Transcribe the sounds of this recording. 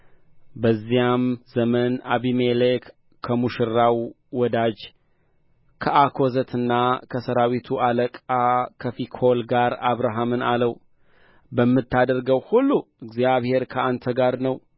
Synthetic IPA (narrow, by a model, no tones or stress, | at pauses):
bəzːijamzəmənaβimelekːʰ | əmuʃɨɾːawː | ɔd̪ad͡ʒ | kʰəʔakʰo̞zət̪ʰɨnːakʰəsəɾawit̪ʰuʔaləkʼakʰəfikʰolɡaɾaβɾaɦamɨnaləw | bəmːɨt̪ʰːad̪əɾɡəwhulːuɨɡzijaβhe̞ɾkʰəant̪ʰəɡaɾnəw